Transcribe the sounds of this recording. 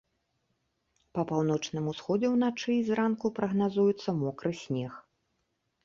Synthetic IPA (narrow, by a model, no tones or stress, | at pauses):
pɐpawnɔt͡ʂnɨmusxɔd͡zʲɛwn̪at͡ʂɨːzrankupɾɐɣnazujut̪sːɐmɔkɾɨsʲnʲɛx